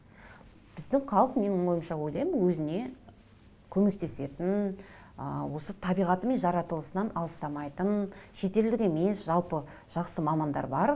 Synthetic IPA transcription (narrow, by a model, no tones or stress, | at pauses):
b̥ɪzd̪ɪɴqʰɑlˠəqme̞nɪŋwo̞jəmʃɑwo̞jlˠɑjmənwɵzɪne̞ | kʲʰɵme̞k̚t̪e̞se̞t̪ɪn | əwo̞sət̪ʰɑbijʁɑt̪əme̞nʒɑɾɑt̪əlˠəsənɑnʔɑlˠəst̪ɑmɑjt̪ənʃe̞t̪e̞ld̪ɪkʲe̞me̞sʒɑlˠpə | ʒ̥ɑqsəmɑmɑnd̪ɑ̰ɾbɑɾ